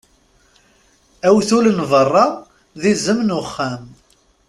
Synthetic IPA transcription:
æwθulənvərˤːɑ | ðizəmnʊχːæm

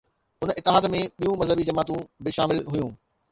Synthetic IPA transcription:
ʊnɪt̪ːɪɦaːd̪mẽɓijũmɐzɦəbid͡ʑɐmaːt̪ũbɪʃa̰ːmɪlɦʊjũː

